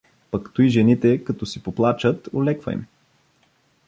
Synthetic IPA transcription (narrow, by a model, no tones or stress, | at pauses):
pɐkt̪uiʒɛnit̪ɛkɐt̪ɔsipoplˠat͡ʃət̪olɛkvə̰ḭm